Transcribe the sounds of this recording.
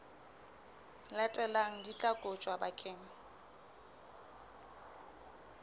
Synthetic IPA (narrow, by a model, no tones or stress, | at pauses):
lɛtʼɛlaŋ̩dit͡ɬʼakʼot͡ʃʼwabakʼeːŋ̩